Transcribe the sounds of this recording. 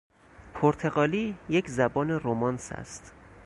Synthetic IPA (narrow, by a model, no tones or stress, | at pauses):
pʰoɾt̪ʰe̞ɣɒːliːjecʰzæbɒːneɾomɒnsæ̰st̪